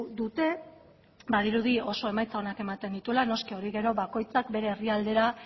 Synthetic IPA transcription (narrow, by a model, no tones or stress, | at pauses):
d̪ut̪e̞ | baðiɾuðio̞so̞e̞majt͡sao̞nake̞mat̪e̞nd̪it̪ulano̞skio̞ɾiɣe̞ɾo̞βako̞jt͡sakbe̞ɾe̞ːriald̪e̞ɾa